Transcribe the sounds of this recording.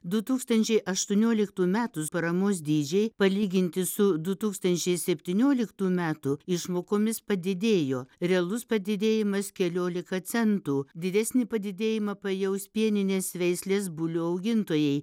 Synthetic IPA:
d̪ʊt̪uːkst̪ɐnʲt͡ʃʲɛɪʔɐʃt̪ʊnʲoːlʲɪkt̪uːmʲæːt̪ʊspɐɾɐmoːs̬d̪ʲiːd͡ʒʲɛɪpɐlʲiːɡʲɪnʲt̪ʲɪsʊd̪ʊt̪uːkst̪ɐnʲt͡ʃʲɛɪsʲɛpʲt̪ʲiːnʲoːlʲɪkt̪uːmʲæːt̪uɪʃmoːkoːmʲɪspɐd̪ʲɪd̪ʲeːjoːɾʲɛɐlˠʊspɐd̪ʲɪd̪ʲeːjɪmɐskʲɛlʲoːlʲɪkɐt̪sʲɛnt̪uːd̪ʲɪd̪ʲæːsʲnʲɪpɐd̪ʲɪd̪ʲeːjɪmɐpɐjɛʊspʲiɛnʲɪnʲeːsʋʲɛɪsʲlʲeːs̬bʊlʲʊɐʊɡʲɪnt̪oːjɛɪ

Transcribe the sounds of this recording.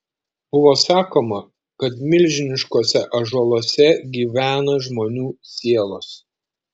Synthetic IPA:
b̥ʊʋoːsɑːkoːmɐ | kɐt̪mʲɪlʲʒʲɪnʲɪʃkoːsʲɛʔɐʒɔlˠoːsʲɛɡʲiːʋʲæːnɐʒmoːnʲuːsʲiɛlˠoːs

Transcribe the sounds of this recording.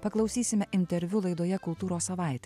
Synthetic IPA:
pɐklˠɐʊsʲiːsʲɪmʲɛʔɪnʲt̪ʲɛɾʲʋʲʊlˠɐɪd̪oːjɛkʊlˠt̪uːɾoːssɐʋɑˑɪt̪ʲɛ

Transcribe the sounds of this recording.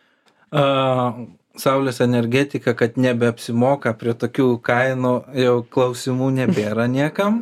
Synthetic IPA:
sɐʊlʲoːsɛnʲɛɾʲɡʲɛt̪ʲɪkɐkɐt̪nʲɛbʲɛɐpʲsʲɪmoːkɐpʲɾʲiɛt̪oːkʲuːkɐɪnuːjɛʊklˠɐʊsʲɪmuːnʲɛbʲeːɾɐnʲiɛkɐm

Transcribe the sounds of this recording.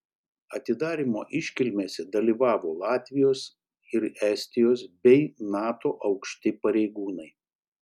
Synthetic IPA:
ɐt̪ʲɪd̪ɑːɾʲimo̰ːʔɪʃʲkʲɪlʲmʲeːsʲɛd̪ɐlʲiːʋɑːʋoːlˠɑːt̪ʲʋʲɪjoːs | ɪɾɛsʲt̪ʲɪjoːsbʲɛɪnɑːt̪oːʔɐʊkʃʲt̪ʲɪpɐɾʲɛɪɡuːnɐɪ

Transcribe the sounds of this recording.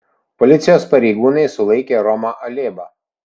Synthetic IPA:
pɔlʲɪt̪sʲɪjoːspɐɾʲɛɪɡuːnɐɪsʊlˠɐɪkʲeːɾɔmɐʔɐlʲeːbɐ

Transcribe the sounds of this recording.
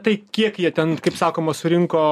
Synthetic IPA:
t̪ɐɪkʲiɛkjiɛt̪ʲɛnkɐɪpsɑːkoːmɐsʊɾʲɪŋkoː

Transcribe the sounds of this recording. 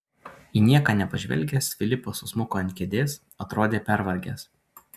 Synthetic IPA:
iːnʲiɛkɑːnʲɛpɐʒʲʋʲɛ̰lʲˑɡʲeːsfʲɪlʲɪpoːsʊsmʊkoːɐnt̪ʲkʲɛd̪ʲeːs | ɐt̪ɾoːd̪ʲeːpʲæɾʋɐlʲɡʲḛːs

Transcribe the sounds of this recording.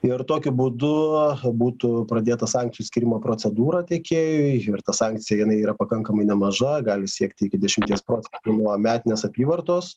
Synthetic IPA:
ɪrt̪oːkʲʊbuːd̪ʊbuːt̪ʊpɾɐd̪ʲeːt̪ɐsɑːŋk̚t͡s̪ʲɪjuːsʲkʲiːɾʲɪmoːpɾoːtt͡s̪ʲɛd̪uːɾɐt̪ʲɛkʲeːjʊɪɪrt̪ɐsɑːŋkt͡s̪ʲɪjɛjɪnɐɪiːɾɐpɐkɐŋkɐmɐɪnʲɛmɐʒɐɡɑːlʲɪsʲiɛkt̪ʲɪɪkʲɪd̪ʲɛʃʲɪmʲt̪ʲiɛspɾoːsʲɛnt̪uːnuɔmʲæːt̪ʲɪnʲeːsɐpʲiːʋɐrt̪oːs

